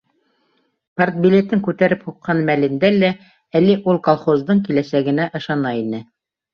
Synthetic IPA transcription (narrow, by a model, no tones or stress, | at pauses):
part̪̚bʲilʲet̪ɘŋkʉt̪æɾɘphuqʰːɑnmælɘ̆nd̪ælæ | æliʔulˠkolˠχozd̪ɤɴkilæsæɡɘ̆næʔɤ̆ʃɑnɑinɘ